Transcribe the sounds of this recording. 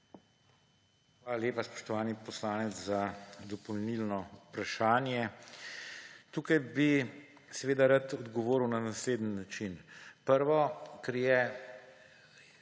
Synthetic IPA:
xʋaːlaleːpaspɔ̥ʃt̪ɔʋaːnipɔslaːnɛtt͡s̪zad̪ɔpɔwnilnɔpɾaʃaːnjɛ | t̪uːkajbi | sɛʋeːd̪aɾat̪ɔd̪ɡɔʋoːɾwnanasleːd̪ənːat͡ʃinpəɾʋɔkɛɾjɛ

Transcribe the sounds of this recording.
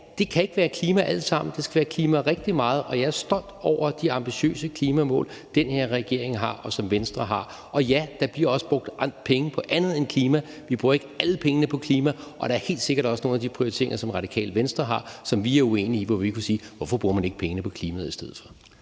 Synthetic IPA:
d̥e̝kʰæe̝ɡ̥əʋæːɐkʰliːmæʔæl̰sɑ̈m̰n̩d̥e̝sɡ̥æʋæːɐkʰliːmæʁɛɡ̥̚d̥imɑ̈ːð̞̩ˠʔɒ̽jɑɪæɐsd̥ɒ̽n̰d̥ɒʊ̰ɐd̥iɑ̈mb̥iɕø̰ːsəkʰliːmæmɔ̰̽ːl | d̥enhe̝ɐ̰ʁɛɡ̥e̝ɐ̰eŋɦɑ̈ɒ̽sɒ̽mʋensd̥ʁɐɦɑ̈ | ʔɒ̽jæd̥ɑ̈b̥liɐ̰ɒ̽səb̥ʁɔɡ̥̚d̥pʰeŋəpʰɒ̽ʔænð̞̩ˠenkʰliːmæ | ʋib̥ʁuːɐe̝ɡ̥ælpʰeŋənəpʰɒ̽kʰliːmæʔɒ̽d̥ɑ̈æɐhe̝̰ːld̥se̝ɡ̥ɐɾɒ̽səno̝ːnæd̥ipʰʁioit͡sʰe̝ɐ̰ḛŋɐsɒ̽mʁɑ̈d̥ikʰɛ̰ːlʋensd̥ʁɐɦɑ̈sɒ̽mʋiæɐue̝̰ːniːʋɒʋikʰusiːʋɒfɒ̽b̥ʁuːɐmæne̝ɡ̥pʰeŋənəpʰɒ̽kʰliːmæð̩ˠisd̥eð̞̰̩ˠfɒ

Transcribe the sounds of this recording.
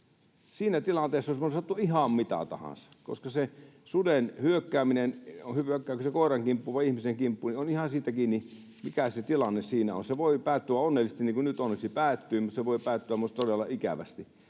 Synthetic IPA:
siːnæt̪ilɑnt̪eːsːosemonsɑt̪ːuihɑmmit̪ɑ̰t̪ɑ̰hɑ̰̃nsɑ̥ko̰skɑsesudenhyøkːæːminenhyøkːæːksekoˑirɑŋkimpːuʋɑiihmiseŋkimpːunionihɑsiːt̪ækiːni | mikæset̪ilɑnːessiːnæo̰nseʋoipæːt̪ːyʋæonːelːˑises̆t̪iniːŋkunyt̪onːeksipæːt̪ːyːmut̪seʋoipæːt̪ːyæmutt̪odelːɑikæ̰ʋæ̰st̪i

